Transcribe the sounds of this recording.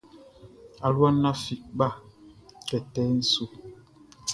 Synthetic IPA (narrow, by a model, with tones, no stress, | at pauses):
a˨lwa˦nːa˦fi˨ʔba˦˨kɛ˨tɛ˦n̩˦su˦